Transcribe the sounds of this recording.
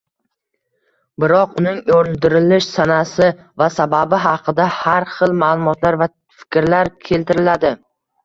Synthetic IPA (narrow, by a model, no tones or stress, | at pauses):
bɪɾɒqʊnɪŋoɾɪld̪ɪɾɪlɪʃsanasɪ | vasababɪɦɑqʰɨd̪ahaɾχɨlˠmaːlˠʊmɒt̪laɾva | fɪ̥kʲɾlaɾkʲʰe̞lt̪ɪɾɪlad̪ɪ